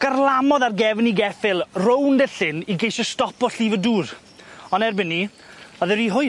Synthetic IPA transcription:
ɡ̥ərlˠamɔðarɡɛvniɡɛfɪlˠrowndəɬɪniɡejʃɔstɔpɔɬiːvəduːɾ | ɔnɛrbɪnːi | ɔðəɾiɦʊj

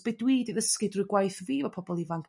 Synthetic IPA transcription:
b̥ejdwiːdiðəskɪdrʊɨɡwajθviːvɔpʰɔbɔlˠivaŋkʰ

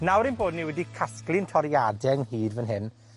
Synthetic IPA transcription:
nawɾɪnboːdniwɛdikʰasklˠɪntʰɔɾjadɛŋhiːdvənɦɪn

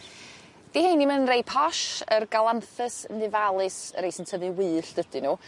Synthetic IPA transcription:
d̥ihenimənrejpʰɔʃərɡalˠamθɨsnɨvalˠɨsɾejsɛntʰəðɨwɨːɬd̥əd̥ɨnu

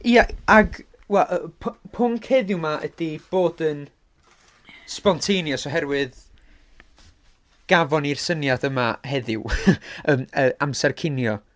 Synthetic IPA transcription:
iaaɡ | wɛlˠʔəpʰpʰʊŋkʰheðɪwmaʔə̰d̥ib̥oːdən | spɔntʰejnjɔsoɦɛrwɨð | ɡ̥avɔnirsənjadəmaɦɛðɪwəməʔamsɛrkʰɪnjɔ

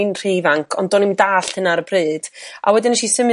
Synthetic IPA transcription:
nr̥ijvaŋkʰɔndɔnimdaːɬhənaɾəbrɨːd̥a̰wɛdɪnaʃisəm

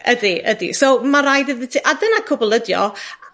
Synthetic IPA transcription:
ʔədiədḭsowmaɾajdəðitʰiʔadənakʰʊbɔlˠədjɔ̰

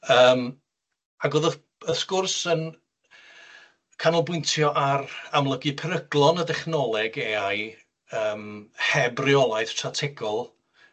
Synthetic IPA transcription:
əːm | aɡoðə | əskʊrsən | kʰanɔlˠbʊɨntʰjɔʔaramlˠəɡɨpʰɛɾəɡlˠɔnədɛχnɔlˠɛɡeaj | əːmhɛbrɪɔlˠajð̥tʰratʰɪɡɔlˠ

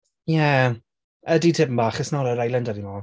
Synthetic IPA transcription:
jɛ | əditʰɪpəm̩baːχəsnɔɾəɾajlˠɛndadimɔ

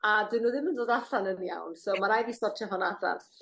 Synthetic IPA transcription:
adɪnuːðɪməndoːdaɬanənja̰wnsowmaɾajðistɔrtʰjaɦɔnaɬa̰n

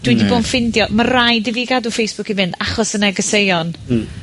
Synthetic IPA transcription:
d̥widiboːnfɪndjɔmarajdɪviɡadufejsb̥ʊkivɪndaχɔsənɛɡəsejɔn

